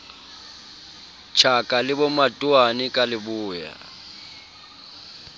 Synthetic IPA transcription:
t͡ʃʰakʼalɪbɔmatʼʊanɪkʼalɪbʊːja̰

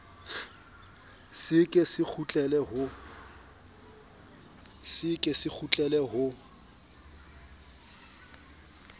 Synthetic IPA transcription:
sɪkʼesɪk͡xʰut͡ɬʼɛlɛɦʊ | sɪkʼesɪk͡xʰut͡ɬʼɛlɛɦʊ

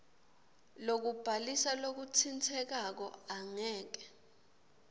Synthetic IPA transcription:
lok̬ub̥ʱalisalok̬utʰint͡sʰɛk̬ak̬ɔaŋɛːk̬ɛ̥

